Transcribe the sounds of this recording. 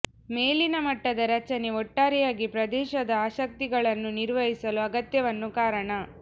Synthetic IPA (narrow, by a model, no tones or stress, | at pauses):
meːlinɐmɐʈːɐd̪ɐɾɐt͡ʃɐne̞ɔʈːaːɾijaːɡipɾɐd̪ɛːʃɐd̪ɐaːʃɐk̚t̪iɡɐɭɐnːuniɾʋɐɦisɐluɐɡɐt̪jɐʋɐnːukaːɾɐɳɐ